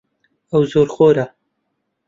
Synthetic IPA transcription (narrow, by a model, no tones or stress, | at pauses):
ɐwzoːɾχoːɾa